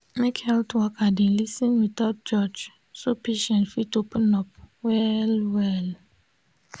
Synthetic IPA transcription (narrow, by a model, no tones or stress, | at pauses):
mekhɛltwɔkadɛ̃nlisĩnwitɔt̚d͡ʒɔd͡ʒ | sopʰeʃɛ̃ntfitopə̃nɔp̚wɛlwɛl